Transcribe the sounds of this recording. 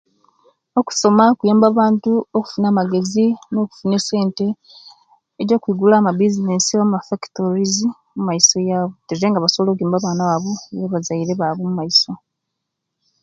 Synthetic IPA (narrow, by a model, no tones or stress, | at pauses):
oku̥so̞makujaːmbaβaːntuoku̥funaːmaɡe̞zino̞ːku̥fune̞se̞ːnte̞ | eɾɟo̞ːkwiːɡulaːmabizinesiwamumafaki̥toɾizi | mumajiso̞jaːβo̞tezeːŋɡaβasoβolok̬ujaːmbaβaːnawaβojeβazaiɾe̞βaβomumajiso̞